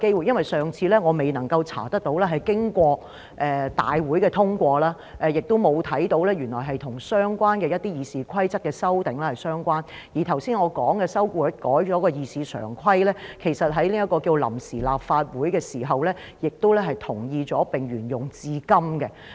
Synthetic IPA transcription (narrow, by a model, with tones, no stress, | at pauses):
ke˥jwuː˨˩jɐ˥nwɐ˨jsœː˨ŋt͡sʰiː˨˧lɛː˥ŋɔː˨˧me˨jnɐ˨˩ŋkɐ˧wt͡sʰa̰ː˨˩t̪ɐ˥k̚t̪o˨˥wlɛː˥ɦɐ˨jkɪ˥ŋkʷɔː˧ | ʔɛ˨t̪a̰ː˨jwuː˨˥jkɛː˧t̪ʰʊ˥ŋkʷɔː˧laː˥ | ʔɛ˧jɪ˨k̚t̪o˥wmo˨˧wt̪ʰɐ˨˥jt̪o˨˥wlɛː˥jyː˨˩nlɔː˨˩jɦɐ˨jt̪ʰʊ˨˩ŋsœː˥ŋkʷaː˥nkɛː˧jɐ˥t̪iː˥jiː˨˧siː˨kʰɐ˥jt͡sɐ˥kːɛː˧sɐ˥wt̪ɪ˨˥ŋlaː˥hɐ˨jsœː˥ŋkʷaː˥n | jiː˨˩t̪ʰɐ˨˩wsiː˥nŋɔː˨˧kɔː˨˥ŋkɛ˧sɐ˥wkuː˧˨˥kɔː˨˥jt͡ʃɔː˨˥kɔː˧jiː˨˧siː˨˧sœ̰ː˨˩ŋkʰɐ˥jlɛː˥kʰe˨˩jsɐ˨t̚ɦɐ˨˥jli˥jɐ˥tkɔː˧kiː˧wlɐ̰˨˩msiː˨˩la̰ː˨p̚faː˧t̚wuː˨˥jkɛː˧siː˨˩ɦɐ˨˩wlɛː˥ | jɪ˨k̚t̪o˥wlɛ˥ɦɐ˨jt̪ʰʊ˨˩ŋjiː˧t͡ʃɔː˨˥pɪ˨˩ŋɥyː˨˩njʊ˨˩ŋt͡siː˧kɐ˥mkɛ˧